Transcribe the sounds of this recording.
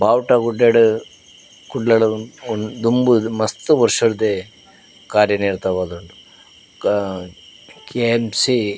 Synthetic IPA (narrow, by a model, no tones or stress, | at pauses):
bʱaːʋʈɐɡuɖːeɽu | kuɖlɐɭɐd̪umbumɐst̪uʋɐɾʂɐɾd̪e | kaːɾjɐniːɾt̪ɐʋaːd̪oɳɖu | keemsi